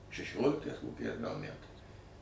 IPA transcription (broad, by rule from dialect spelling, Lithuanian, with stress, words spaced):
ʃʲɛˈʃʲoːlʲɪktɐɪs koːˈkʲɛɪs ɡɐlˠ ˈmʲætɐɪs